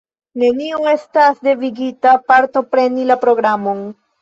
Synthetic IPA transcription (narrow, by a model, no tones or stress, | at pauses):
ne̞nioŋe̞stasde̞viɡitapaɾto̞pɾe̞nilapɾo̞ɡɾamo̞n